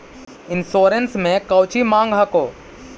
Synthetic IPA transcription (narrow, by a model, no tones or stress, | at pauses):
ɪnʃoːɾənsmẽkɐwt͡ʃimãːŋɡɦɐkoː